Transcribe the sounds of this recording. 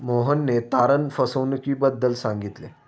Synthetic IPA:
moɦənːet̪aɾənfəsəwnəkiːbəd̪ːəlsãŋɡit̪le

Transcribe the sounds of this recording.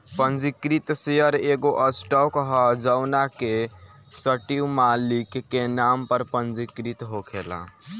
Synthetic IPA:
pənd͡ʒikɾit̪sejəɾeɡoʔəsʈɔkɦəd͡ʒənake | səʈiumalikːenampəɾpənd͡ʒikɾit̪ɦokʰela̰

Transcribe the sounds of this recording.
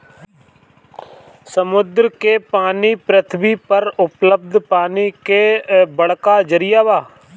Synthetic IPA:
səmʊd̪ɾkeːpaːniːpɾət̪ʰbiːpəɾʊpləb̚d̪ʱpaːniːkeːbəɽkaːd͡ʒəɾɪjaːʋaː

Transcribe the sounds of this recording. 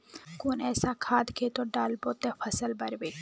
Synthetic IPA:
kunɛːsakʰaːd̪kʰeːt̪ɔɖaːlbɔt̪ɛfʰɐsəlbɐɾbe

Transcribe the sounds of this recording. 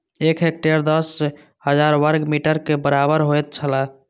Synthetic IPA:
ekɦek̚ʈeɾd̪əs | həd͡ʒaɾwəɾɡmiʈəɾkebəɾabəɾɦojt̪̚t͡ʃʰəla

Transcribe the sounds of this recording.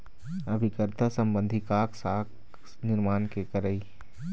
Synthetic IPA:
əbʱikəɾt̪ʰasəmbə̃nd̪ʱikaːksak | nɪɾmaːnkekəɾəi

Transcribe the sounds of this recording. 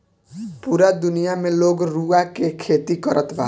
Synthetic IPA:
puɾad̪ʊnijamẽloːɡɾuakekʰeːt̪ikəɾʔət̪bʱa̰

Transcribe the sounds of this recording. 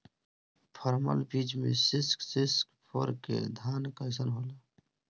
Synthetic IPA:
pʰɔɾmə̰lbiːd͡ʒmḛ̃sɪsksɪskpʰoɾkḛd̪ʱaːnkəɪs̬ənɦoːla

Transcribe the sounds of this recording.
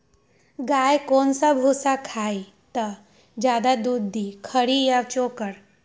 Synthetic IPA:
ɡaːjkoːnsabʱuːsakʰaːi | t̪ɐ | d͡ʒjaːd̪ad̪uːd̪ːiːkʰəɽijat͡ʃoːkəɽ

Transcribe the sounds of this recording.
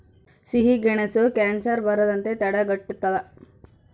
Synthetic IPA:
siɦiɡiɳesokaːnsɐɾbɐɾɐd̪ɐnt̪et̪ɛɽɐɡɐʈːut̪ːɐlɐ

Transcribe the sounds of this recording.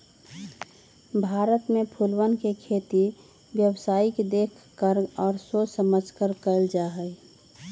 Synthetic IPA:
bʱaːɾət̪mepʰulwənkekʰet̪i | bjəwsaːikd̪eːkʰkːəɾɔːɾsosəməd͡ʒkəɾkəld͡ʒaːɦəɪ

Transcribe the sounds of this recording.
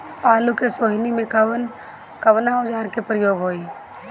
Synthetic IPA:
paːlukesoːɦnimẽkn | kɐʋnaod͡ʒaːɾkepɾəjoːɡɦoːiː

